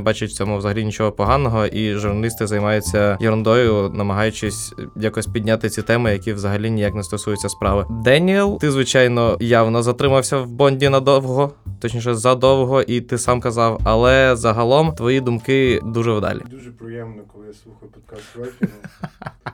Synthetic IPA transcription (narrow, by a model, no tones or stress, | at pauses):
bɑt͡ʃʊt̚ʲt͡sʲɔmuʋzɐɦɐlʲinʲit͡ʃɔɦɔpɔɦɑnːɔɦɔʔiʒʊrnɐlʲist̪ɪzɐjmɑjʊt͡sʲːɐjɔɾʊnd̪ɔjʊnɐmɐɦɑjʊt͡ʃɪsʲjakɔsʲpʲidʲnʲat̪ɪt͡sʲit̪ɛmɪjɐkʲiʋzɐɦɐlʲinʲijɐknɛst̪ɔsujʊt͡sʲːɐspɾɑʋɪd̪ɛnʲiɛlˠt̪ɪzʋɪt͡ʃɑjnɔjɑwnɔzɐt̪ɾɪmɐwsʲɐwbɔnʲdʲinɐd̪ɔwɦɔt̪ɔt͡ʃnʲiʃ̬ɛzɐd̪ɔwɦɔʔit̪ɪsɑmkɐzɑwɐlˠɛzɐɦɐlˠɔmt̪ʋɔjid̪ʊmkɪd̪uʒɛwd̪ɑ̰lʲḭd̪uʒɛpɾɪjɛmnɔk̪ˠɪsˠuxɔpɔk